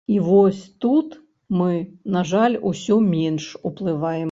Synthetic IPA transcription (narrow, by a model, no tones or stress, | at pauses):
ivɔsʲt̪ut̪ | mɨnaʐalʲusʲɔmʲɛnʂuplˠɨvajɛm